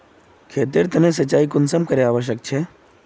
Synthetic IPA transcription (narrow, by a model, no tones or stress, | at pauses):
kʰeːt̪eɾt̪ɐnẽs̬ət͡ʃaːikʊnsəmkəɾeaːʋəʃ̬jək̚t͡ʃʰe